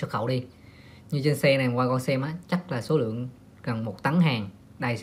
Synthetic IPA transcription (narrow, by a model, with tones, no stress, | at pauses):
ə˦˥xə̰˧˩wɗi˧ | ɲɨ˧t͡ɕe˧nsɛ˧na˨˩kwaː˧kɔ˧nsɛ˧mʔaː˨˦˥t͡ɕa˦˥k̚laː˨˩so˨˦lɨ̰˧˨əŋ | ɣə˨˩nmo˨˩t̚t̪a˨˦ŋɦaː˨˩ŋ | ɗa˧˩j